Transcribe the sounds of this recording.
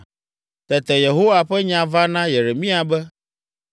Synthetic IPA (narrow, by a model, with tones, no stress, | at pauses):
t̪ɛ˨t̪ɛ˨je˨ɦo˦wa˨ɸɛ˦ɲã˨va˦nã˦je˨ɾe˨mĩ˦a˨bɛ˦